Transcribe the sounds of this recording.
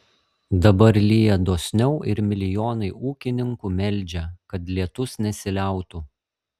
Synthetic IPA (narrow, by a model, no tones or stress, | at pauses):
d̪ɐbɐɾlʲijɛd̪oːsʲnʲɛʊʔɪɾmʲɪlʲɪjoːnɐɪʔuːkʲɪnʲɪŋkuːmʲɛlʲˑd͡ʒʲɛkɐt̪lʲiɛt̪ʊsnʲɛsʲɪlʲæˑʊt̪uː